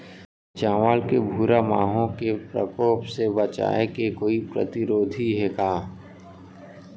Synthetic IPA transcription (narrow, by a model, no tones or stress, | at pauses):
t͡ʃãːʋaːlkebʱuːɾamaːɦõkepɾə̰koːpsebət͡ʃa̰ːekekoːipɾə̰t̪ɪɾoːd̪ʱiɦɛkaː